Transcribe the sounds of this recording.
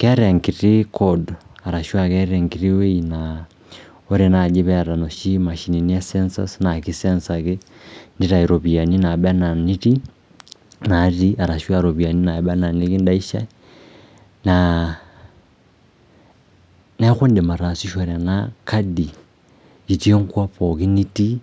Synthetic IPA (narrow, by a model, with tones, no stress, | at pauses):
kɛ˦ɾɛ˨ŋkiɾi˦kʰɔda˨ɾa˨ʃwa˨kɛɾɛŋɡi˨ɾiwe˦ina | o˦ɾɛna˨d͡ʒe˦βɛ˦a˨ɾa˨noʃi˦ma˨ʃini˨ni˦a˦sɛnsa̰˦snaki˦sɛnsakendi˦ɾa˨i˨ɾɔ˨βi˨a˨ni˦na˨ba˦na˨ni˦ɾi˦ | na˨ɾi˦a˨ɾa˨ʃwa˦ɾo˨βi˨a˨ni˦na˨ba˦na˨ni˦ki˦nda˦i˦ʃa̰˦ | na | na˦xu˦nde˨ma˨ɾa˨si˦ʃa˨ɾa˨naka˦di˨ | d͡ʒi˨ti˦e˦ŋkwa˦poki˦ni˦ti˦